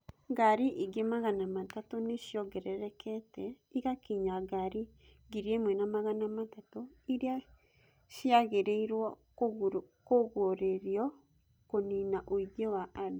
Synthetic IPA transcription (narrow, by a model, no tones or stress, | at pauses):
ɡaɾiʔiɡemaɣanamatatoneʃjɔɡɛɾɛɾɛkʰɛtɛ | iɣakiɲaɡaɾi | ɡiɾiemwɛnamaɣanamatato | iɾia | ʃiaɣeɾeiɾwɔ | koɣoɾeɾiɔ | koninaʔoiɣewaʔano